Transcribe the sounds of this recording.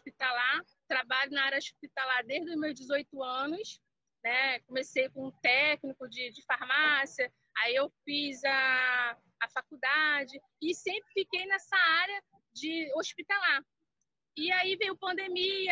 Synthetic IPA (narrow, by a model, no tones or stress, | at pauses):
oʃpit̪awla | t̪ɾabaʎʊnɐaɾɐoʃpit̪alaɾd̪eʒd̪ʊzmewʒd͡ʒɪzojt̪ʊɐ̃nʊs | nɛkõmesejkõũt̪ɛknikʊd͡ʒɪd͡ʒɪfaɾmasiɐ | aiewfizɐː | fakud̪ad͡ʒɪ | ɪsẽmpɾɪfikejnɛsɐaɾjɐ | d͡ʒɪoʃpit̪alaɾ | ɪaivẽjʊpɐ̃nd̪emiɐ